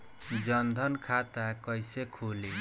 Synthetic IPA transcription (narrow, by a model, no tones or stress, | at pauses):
d͡zʌnd̪ʱʌnkʰat̪akʌjsekʰuli